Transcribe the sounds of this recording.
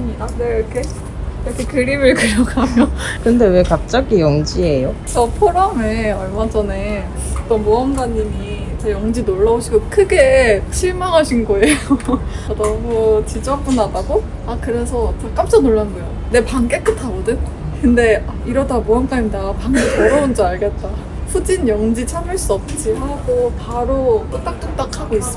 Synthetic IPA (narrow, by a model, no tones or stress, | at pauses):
ɲianeɾkʰe̞ | iɾʌkʰe̞kɯɾimɯɭkɯɾjʌɡamjokɯnde̞we̞kap̚t͡ɕ͈aɡijʌŋd͡ʑie̞jot͡ɕʌpʰoɾʌme̞ʌɭmad͡ʑʌne | t͈ʌnmuʌmdaɲːimi | t͡ɕʌjʌŋd͡ʑinoɭːʌoɕʰiɡokʰɯɡet͡ɕʰiɭmaŋɦaɕʰinɡʌejodʌmut͡ɕit͡ɕʌmk͈onadaɡo | akɯɾe̞sʰʌt͡ɕak͈amt͡ɕ͈ʌnoɭːanɡojo | ne̞paŋk͈ek͈ɯtʰabodɯn | kɯnde̞aiɾʌdamuank͈aimdapaŋemʌɾʌund͡ʑʌaɭɡe̞t͈a | ɸud͡ʑinjʌŋd͡ʑit͡ɕʰamɯɭs͈uʌp̚t͡ɕ͈iɦaɡopaɾok͈ɯt͈ak̚t͈ont͈akʰaɡois͈ɯ